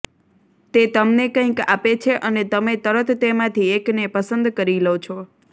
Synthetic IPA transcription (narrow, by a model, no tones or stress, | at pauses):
t̪et̪əmnekə̃ĩka̰pet͡ʃʰeʔənet̪əmet̪əɾət̪ːemãt̪ʰieknepəsənd̪kəɾilot͡ʃʰo